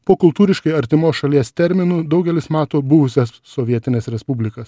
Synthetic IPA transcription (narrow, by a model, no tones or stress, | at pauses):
poːkʊlˠt̪uːɾʲɪʃkɐɪɐɾʲt̪ʲɪmoːsʃɐlʲiɛst̪ʲɛɾʲmʲɪnʊd̪ɐʊɡʲɛlʲɪsmɑːt̪oːbʊʋʊsʲɛsːɔːʋʲiɛt̪ʲɪnʲeːsɾʲɛspubʲlʲɪkɐs